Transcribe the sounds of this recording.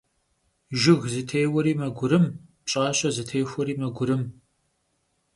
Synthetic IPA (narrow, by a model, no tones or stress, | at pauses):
ʒɪɣzɨtʰejwɔɾiːmɐɡʷʊɾɨmpɕʼaːɕʼɐzɨtʰeːxʷɔɾiːmɐɡʷʊɾɨm